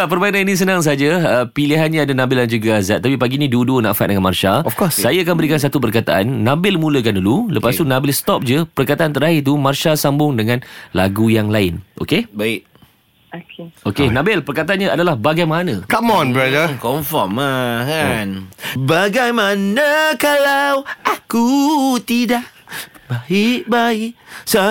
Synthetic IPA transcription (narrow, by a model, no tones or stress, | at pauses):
apərbajanainĩs̬ənãŋs̬aad͡ʒaəpiliɦanɲãadanãbɪldand͡ʒuɡaazat̪̚ːapipaɡinĩduduna̰ʔfa̰t̚dəŋanmarʃaɔfkɔssajaak̬anmbəɾikans̬at̪up̬ərkat̪a̰ʔa̰nːãbɪlmũləkandululəpast̪unãbɪlst̪ɔp̚d͡ʒəpərkat̪aʔant̪əɾaɦɪrt̪umarʃasambʊŋdəŋãnlaɡujaŋlaɪnʔo̰kebaɪʔ̚ | kokenãbɪlpərkat̪aanɲaadalahbaɡajmanãkamɔ̃nbɾadəkɔmfɔmakanbaɡajmanakalawakut̪idaʔ | baiʔbaɪʔsa